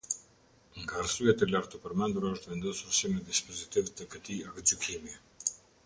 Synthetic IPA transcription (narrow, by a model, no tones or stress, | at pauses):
ŋɡaɾsujat̪ɛlaɾt̪əpəɾmɛnd̪uɾaəʃt̪vɛnd̪ɔsuɾsimɛd̪ispɔzit̪ivt̪əkət̪iakəd͡ʒukʰimi